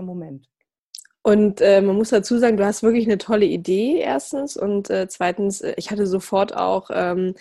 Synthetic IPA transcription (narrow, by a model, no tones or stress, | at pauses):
momɛnt | ʔʊntʔɛːmanmʊsd̥at͡suːzaːɡŋ̩duːhastv̥ɪɐklɪçnətʰɔləideːʔḛːɐstn̩sʊ̰ntʔɛːt͡sv̥aɪtn̩sʔɛ̰ːʔɪçhatəzofɔɐta̰ʊxʔɛːm